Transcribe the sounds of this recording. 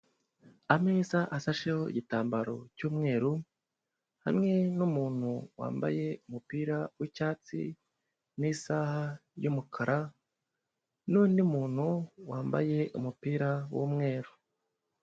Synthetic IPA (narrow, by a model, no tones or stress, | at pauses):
amezaʔasaʃehoḭɟitaːmbaɾo̞cuːmŋe̞ːɾu | ha̰mŋe̞numuːn̥huwa̰ːmba̰je̞umupiːɾawicaːt͡sḭ | niːsaːhajumukʰaɾʔa | nuːndimuːn̥huwaːmba̰je̞ʔumupiːɾawṵːmŋe̞ːɾu